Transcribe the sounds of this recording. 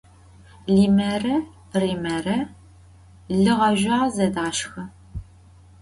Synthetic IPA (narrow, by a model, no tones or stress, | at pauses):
ɮiːmɐrɐ | riːmɐrɐ | ɮɨʁɐʒʷaːzɐdaːʃxɐ